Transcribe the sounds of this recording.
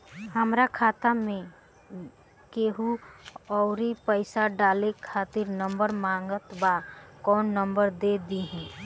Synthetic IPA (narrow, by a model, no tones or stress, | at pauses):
həmɾakʰaːt̪amẽ | keːɦuɔʊɾipəɪsaɖaːlekʰaːt̪ɪɾnə̃mbəɾmãːŋɡət̪bakɔːnːəmbəɾd̪ed̪iɦɛ̃ː